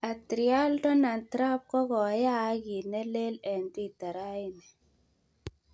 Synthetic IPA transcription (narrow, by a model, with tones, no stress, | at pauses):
a˨tɾi˨a˦ldɔ˦na˨nt̪ɾa˦p̚kɔ˦ɡɔ˨˦ja˦ɡi˨nɛ˦le˦lɛ˨npi˦˨t̪a˨ɾa˦i˦nɛ˨